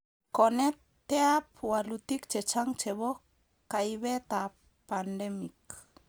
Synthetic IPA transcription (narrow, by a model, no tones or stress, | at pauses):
konɛtː | eapualut̪ik̚t͡ʃet͡ʃaŋt͡ʃeβɔ | kːajβet̪a | pandɛmik